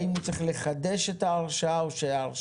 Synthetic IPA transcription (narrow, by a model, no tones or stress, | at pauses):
imhut͡sʁiχle̞χade̞ʃetaːʁʃaaoʃejaːʁ